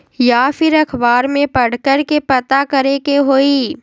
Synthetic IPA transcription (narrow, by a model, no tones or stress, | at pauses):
jaːfɪɾɐkʰbaːɾmẽpɐɽ̤kəɾkepɐt̪akɐɾekeɦoːiː